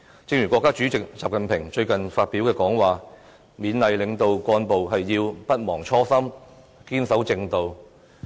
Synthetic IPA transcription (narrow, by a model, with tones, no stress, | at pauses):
t͡sɪ˧ŋjyː˨˩kʷɔː˧kːaː˥t͡ʃyː˨˥t͡sɪ˨k̚t͡saː˨p̚kɐ˨npʰɪ˨˩ŋt͡ʃɵ˧ɥkɐ˨nfaː˧t̚piː˨˥wkɛː˧kɔː˨˥ŋwaː˨˩ | miː˨˧nlɐ˨jlɪ˨˧ŋt̪o˧wkʷɔː˧npo˨wɦɐ˨jːiː˧wpɐ˥t̚mɔː˨˩ŋt͡ʃʰɔː˥sɐ˥m | kiː˥nsɐ˨˥wt͡sɪ˧ŋt̪o˨w